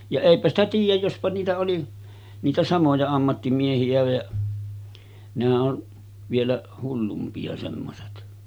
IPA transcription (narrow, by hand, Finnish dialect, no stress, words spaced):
jɑ eˑipæ stæ tiːjˑæj jospɑ niːtæ oli niːtæ sɑmojɑ ɑmːɑtːimiehiæ jɑ nehæʔ ʔon ʋielæ hulːumpiɑ semːoset